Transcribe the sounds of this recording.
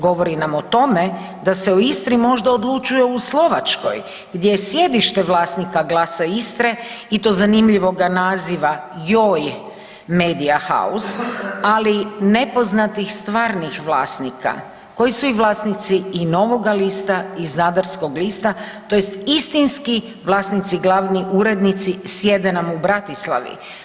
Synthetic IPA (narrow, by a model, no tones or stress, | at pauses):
ɡo̞ʋo̞ɾinamot̪o̞me̞ | d̪aseoist̪ɾimo̞ʒd̪aod̪lˠut͡ʃujeuslo̞ʋat͡ʃko̞̰j | ɡd̪je̞jesje̞d̪iʃt̪e̞ʋlˠaːsnikaɡlaːsaist̪ɾe̞it̪o̞zanimʎiʋo̞ɡanaziʋajoːj | meːd̪iaxa̰usaline̞po̞znat̪ixst̪ʋaːɾnixʋlaːsnika̰ | ko̞jisuiʋlˠaːsnit̪siːno̞ʋo̞ɡaliːst̪aizad̪aɾsko̞ɡliːst̪at̪o̞jest̪ist̪inski | ʋlˠaːsnit̪siɡlˠaːʋniʔuɾe̞d̪nit̪sisje̞d̪e̞namubɾat̪islˠa̰ʋḭ